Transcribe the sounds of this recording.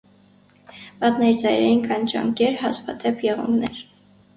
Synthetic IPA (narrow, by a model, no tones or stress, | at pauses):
pɑt̪nɛɾit͡sɑjɾɛ̰jinkʰɑnt͡ʃɑ̰ŋkɛɾɦɑspɑt̪ɛpʰjɛʁṵŋɡnɛɾ